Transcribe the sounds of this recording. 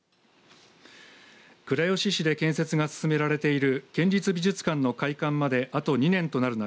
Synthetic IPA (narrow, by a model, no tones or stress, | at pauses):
kɯ̟ɾajo̞ɕiɕid̪e̞kẽ̞ɰ̃se̞t͡sɨɡasɨ̥sɨme̞ɾaɾe̞t̪e̞iɾɯ̟kẽ̞ɲ̟ʲɾit͡sɨbʲiʑɨt͡sɨ̥kãnːo̞kaikãmːad̪e̞ʔat̪o̞ɲ̟inẽ̞nt̪o̞naɾɯ̟na